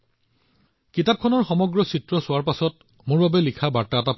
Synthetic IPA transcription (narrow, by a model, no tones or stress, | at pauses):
kitap̚kʰɔnɔɹxɔmɔɡɹɔsitɹɔsʊwaɹpasɔt̚ | mʊɹbabɛlikʰabaɹtaɛtap